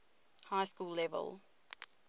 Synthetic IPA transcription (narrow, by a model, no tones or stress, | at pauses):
haɪskuːlːɛvə̰lˠ